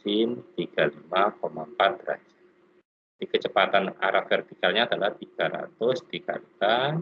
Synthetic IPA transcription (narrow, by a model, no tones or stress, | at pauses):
ɪnt̪iɡ̥alimakomaəmpat̪̚ra̰d͡ʒa | d̥ikət͡ʃəpat̪ana̰ɾʔakfɛrt̪ikalɲaːdalaht̪iɡ̥aɾa̰t̪ʊsd̥ika̰it̪a